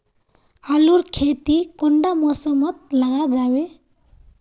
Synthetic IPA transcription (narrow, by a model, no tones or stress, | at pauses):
aluɾkʰet̪ikɔɳɖamɔsəmət̪̚laɡad͡zawe